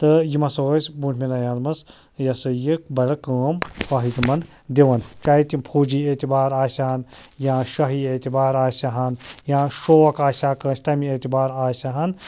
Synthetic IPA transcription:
t̪ɨjimɐsoːsʲbuːntʰʲmʲinajãːnmɐs | jɐsɨjik̚bɐɾɐkəːmpɐɦit̪imɐn | d̪eʋɐnt͡ʃaːɦit̪impʰuːd͡ʒiːet̪ibaːɾaːsʲaɐnjãːʃɐɦiet̪ibaːɾaːsʲaɦɐnjãːʃoːɐkaːsʲaːkəːsʲt̪ɐmiet̪ibaːɾaːsʲaɦɐn

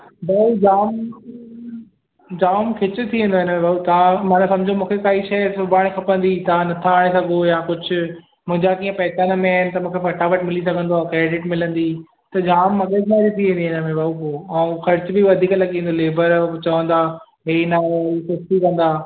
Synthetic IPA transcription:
bɐud͡ʑaːm | d͡ʑaːmkʰɪt͡ɕʊ̆t̪ʰiʋẽnd̪oɦɪnəmẽbʱaut̪ɐʋãmãːnsɐ̃md͡ʑʱõmũːkʰekaːiʃɐsʊbʱaːɽ̃xʰɐpə̃nd̪it̪ɐãnɐt̪ʰaaːɽ̃esɐɡʱojãːkʊd͡ʑʱʊ̆ | mʊ̃ɦɪ̃ɲd͡ʑakiːə̃pɐɦɪt̪anɐmẽaːɪnɪ̆t̪ɐmũːkʰefɐʈʰaʋɐʈmɪlisɐɡʱə̃nd̪oaːkɾeːɖɪʈmɪlə̃nd̪iː | t̪ɐd͡ʑaːmːɐɠekaːɾit̪ʰiʋẽːnd̪iɪnəmẽbʱaupoːaũxɐɾɪt͡ɕbɪʋɐd̪ʱiːklɐɠĩːn̆d̪oleːbəɾt͡ɕɐʋə̃nd̪aː | ɦeːnaisʊsʈ̪ikɐ̃nd̪aː

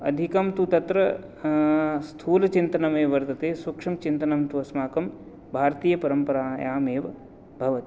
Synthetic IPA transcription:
ɐ̰d̪ʱikɐmt̪ut̪ɐt̪ɾɐ | st̪ʰuːlɐt͡ʃint̪ɐnɐmeːʋɐɾt̪ɐt̪eːswɐkʂɐmt͡ʃint̪ɐnɐmt̪uɐsmaːkɐm | bʱaːɾt̪iːjɐpɐɾɐmpɐɾaːjaːmeːʋɐ | bʱɐʋɐt̪i

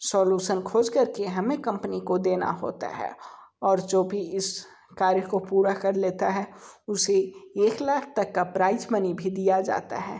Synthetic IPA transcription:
sɔːluːʃənkʰoːd͡ʒkɐɾkeɦɐmẽkɐ̃mpənikod̪eːna̰ɦo̰ːt̪a̰ɦɛ̰ːɔːɾd͡ʒoːbʱiɪs | kaːɾjəkopuːɾakɐɾleːt̪aɦɛʊseeːklaːkʰt̪ɐkːapɾaːɪzmɐnibʱid̪ijad͡ʒa̰ːt̪a̰ɦɛː

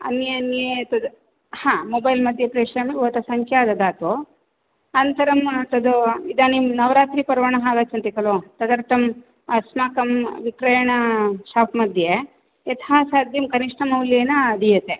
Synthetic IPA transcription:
ɐ̰njeɐnjet̪ɐd̪ | hãːmobɐjlmɐd̪ʱjepɾeːʂɐmiʋɐt̪ɐsɐŋkʰjaːd̪ɐd̪aːt̪o | ɐnt̪ɐɾɐmt̪ɐd̪uid̪animnɐʋɾaːt̪ɾipɐɾɐʋɐɳɐɦaːɡaːt͡ʃɐnt̪ikɐlot̪ɐd̪ɐɾt̪ɐm | ɐsmaːkɐmʋikɾɐjɐɳɐʃaːpʰmɐd̪ʱje | et̪ʰaːsaːd̪ʱjɐmkɐniʂʈɐmɐwljeːnɐɐd̪ijɐt̪e

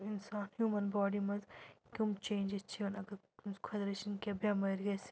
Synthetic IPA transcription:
ɪnsaːnhjuːmɐnbɔːɖimɐzkʲumt͡ʃẽːnd͡ʒest͡ʃʰiɐnɐɡɐɾ | zkʰɐd̪ɾeːʃɐnkiɐbʱjamɐjɾɡɐs

